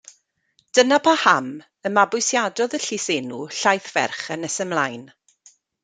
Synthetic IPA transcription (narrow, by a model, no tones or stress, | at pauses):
d̥ənapʰaham | əmabʊɨsjadɔðəɬisenuɬajθvɛ̰rχənɛsəmlˠajn